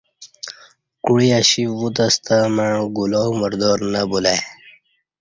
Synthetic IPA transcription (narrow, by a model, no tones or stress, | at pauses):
kuɽiaɕiwut̪əst̪amaɻ̃ũɡulowməɾd̪oːɾnabulaj